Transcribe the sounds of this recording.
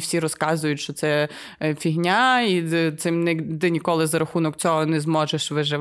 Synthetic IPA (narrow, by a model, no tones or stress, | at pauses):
wsʲiɾɔskɑzʊjʊtʲʃt͡ʃɔt̪sɛ | fʲiɦnʲait̪sɪmnɛt̪ɪnʲikɔlˠɪzɐɾɐxunɔkt͡sʲɔɦɔnɛzmɔʒeʃʋɪʒɪ